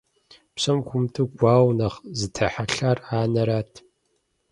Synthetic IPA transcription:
pɕɐmkʷʊmtʰɨɡʷaːwnɐχzɨtʰɐħaɬaːraːnɐɾaːtʰ

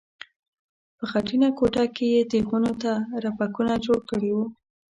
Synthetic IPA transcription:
pəxaʈinakoʈakejed̪exunot̪aɾapakunad͡ʒoɽkəɽewu

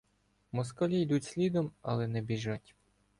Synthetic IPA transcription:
mɔskɔlʲijd̪utʲsʲlʲid̪ɔmɐ̰lˠɛnɛbʲiʒatʲ

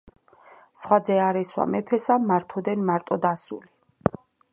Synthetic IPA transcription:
sχwad̪zɛaɾɛswa̰mɛpʰɛsamaɾt̪ʰɔd̪ɛnmaɾt̪ʼɔd̪asṵli

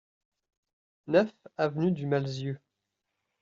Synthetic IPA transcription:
nœfavnyd̪ymalzjø

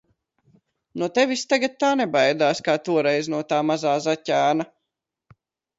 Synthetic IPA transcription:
nuɔt̪evist̪aɡat̪̚t̪ːaːnebajd̪aːskaːt̪uɔɾɛjznuɔt̪aːmazaːzacʲæːna

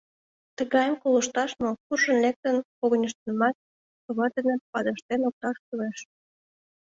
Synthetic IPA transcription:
t̪əɣɑjəmkolə̆ʃt̪ɑʃmokurʃənlek̚t̪ənkoɣə̆nʲəʃt̪ənəmɑt̪̚ | kəβɑd̪enepɑd̪əʃt̪enok̚t̪ɑʃp̪ueʃ

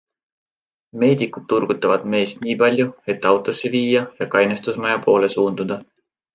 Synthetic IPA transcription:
me̞ːd̪ikˑut̪̚ːurɡ̥ut̪ːˑɑvɑd̪̥me̞ːst̪nʲiːpɑlʲjue̞t̪ːˑɑwt̪ˑo̞sːiviːjɑjɑkɑjnest̪usmɑjɑpʰo̞ːle̞suːnd̪̥ud̪̥ɑ

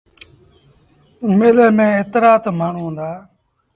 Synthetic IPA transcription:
meːləːmẽːeːt̪ɾaːt̪maːɳ̤ũːɦʊ̃ːnd̪aː

